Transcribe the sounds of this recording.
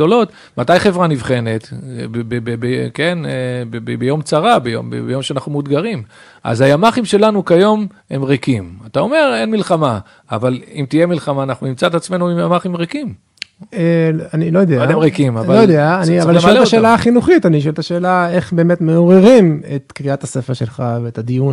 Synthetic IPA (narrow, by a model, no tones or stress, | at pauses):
olo̞t̪ | matajχe̞vʁanivχe̞ne̞t̪bbebebeke̞nbebebejo̞mt͡saʁabejo̰mbḛbejo̞mʃeanaχnumud̪ɡaʁim | ʔa̰zajamaχimʃe̞lanukajo̞m | e̞mʁekimatao̞me̞ʁe̞nmilχama | avalimt̪ije̞milχamaːnaχnunimt͡sat̪at͡sme̞nuimjamaχimʁekim | eanilo̞jod̪eaaemʁekimavlvaojod̪eaːniavalʃelt̪aʃelaaχinuχit̪aniʃ̬oelt̪aʃe̞ːlae̞χbe̞ːme̞t̪me̞oʁeʁimet̪kʁiat̪asefeʃe̞lχaveːt̪ad̪ijun